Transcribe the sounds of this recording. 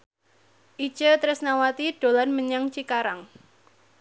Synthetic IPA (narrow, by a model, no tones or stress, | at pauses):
ʔi̥t͡ʃət̪ɾɪsnawat̪iɖ̥o̤lanməɲaŋt͡ʃikaɾaŋ